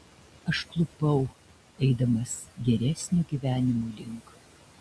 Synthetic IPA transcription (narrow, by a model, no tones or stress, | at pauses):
ɐʃklˠʊpɐʊ | ɛɪd̪ɐmɐsɡʲɛɾʲɛsʲnʲuːɡʲiːʋʲæːnʲɪmuːlʲɪŋˑk